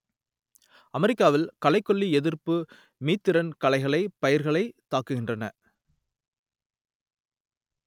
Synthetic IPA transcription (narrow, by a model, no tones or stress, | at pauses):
ɐmɛɾɪkːaːʋɪlkɐlɐɪkːɔɭːiɛðɪɾpɯ | miːt̪ːɪɾɐnkɐlɐɪɣɐɭɐɪpɐjɐɾɣɐɭɐɪt̪ːaːkɯɣɪndrɐnɐ